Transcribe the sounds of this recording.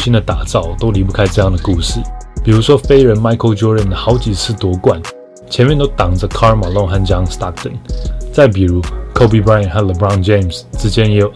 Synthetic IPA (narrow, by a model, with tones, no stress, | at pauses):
ɕi˥nd̪ə˨t̪a˨˩t͡sɑ˥˩ʊt̪o˥ʊli˧˥pu˥˩kʰa˥ɪʈ͡ʂɤ˥˧jɑ˥˩ŋd̪ə˩ku˥˩ʂɻ̩˥˩pi˨˩ɻu˧˥ʂwɔ˥fe˥ɪɻə˧˥nma˥ɪkʰo˥˧ʊt͡ɕɔ˥ɹə˥˩nə˩xɑ˧˥ʊt͡ɕi˨˩t͡sʰɹ̩˥˩t̪wɔ˧˥kwa˨˩˦n | t͡ɕʰjɛ˧˥mjɛ˥˧nt̪o˥ʊt̪ɑ˨˩ŋʈ͡ʂə˧˦kʰɑ˥ma˨˩lɔ˥˧ŋxa˥˩nt͡ɕjɑ˥ŋst̪ɑ˥k̚t̪ə˨˩nt͡sa˥˩ɪp̬i˨˩ɻu˧˥kʰo˥˧pi˥˧bɹa˥jə˨nxa˥˩nlə˧bɹa˥˩ʊ̃nt͡ɕe˥˩ɪmsʈ͡ʂɻ̩˥t͡ɕjɛ˥njɛ˧˥jo˨˩ʊ